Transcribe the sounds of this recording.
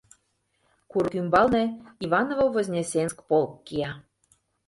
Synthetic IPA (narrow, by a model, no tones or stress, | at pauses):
kurkymbɑlnĕiβɑnovovozʲnʲesʲenʲskpolkːijɑ